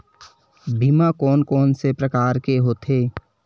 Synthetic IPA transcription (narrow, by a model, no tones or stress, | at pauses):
bʱiːmakɔːnkɔːnsepɾəkaːɾkeɦot̪ʰeː